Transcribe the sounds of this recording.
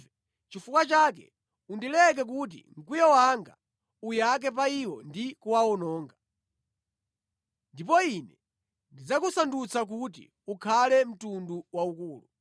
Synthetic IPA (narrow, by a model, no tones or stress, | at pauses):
ɛ | t͡ʃifukwat͡ʃakɛ̰ | undilɛk̬ɛk̬ut̬ḭŋ̩kwujɛwaŋɡa̰ | ujak̬ɛpaiwɔndikuwaɔnɔːŋɡa | ndipɔinɛ | ndid͡zakusandut͡sak̬utḭ | ukʰalɛm̩tunduwaukuːlu